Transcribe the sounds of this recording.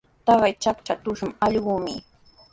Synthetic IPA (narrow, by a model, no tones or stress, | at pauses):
t̪ɑɢɑjt͡ʃakt͡ʃat̪ʊʃʊŋɑʎɢʊːmɪ